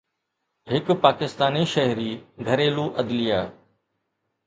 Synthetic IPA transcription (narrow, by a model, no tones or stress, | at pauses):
ɦɪkpaːkɪst̪aːniʃɐɦɾiːɡʱɐɾeːluːʔɐd̪lijaː